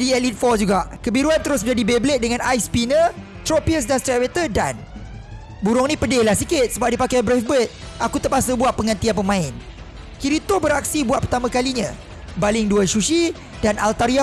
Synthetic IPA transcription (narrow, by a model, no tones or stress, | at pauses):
diɛlit̪̚fɔd͡ʒuɡaʔkəbiɾuant̪əɾʊs̬məd͡ʒadibeblɪʔ̪̚dəŋãnajspinə | t̪ɾopiəs̬danst̪ɾɛt̪̚wet̪əda̰n | buɾʊŋnĩpədɪhlahsikɪt̪̚səbap̚dipakajbɾafbət̪̚akut̪əpasəbuaʔ̪̚pəŋãnt̪ianpəmãɪn | kiɾit̪obəɾak̚sibuat̪ʔ̚pərt̪amãkaliɲã̰ | balɪŋduəʃuʃi | danalt̪aɾia